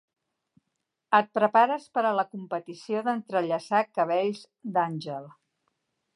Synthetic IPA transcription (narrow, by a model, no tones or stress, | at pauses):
ət̪̚pɾəpaɾəspəɾələkumpət̪isioðənt̪ɾəʎəsakəβ̞ɛʎz | d̪anʲʒəlˠ